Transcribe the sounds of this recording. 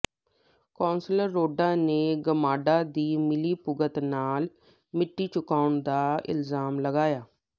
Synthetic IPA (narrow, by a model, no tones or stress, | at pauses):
kõːnsləɾːoːɖãːneːɡəmaːɖaːd̪iːmɪliːpʊɡət̪naːl | mɪʈːiːt͡ʃʊkaːʊɳd̪aːɪ̰lzaːmləɡaːjaː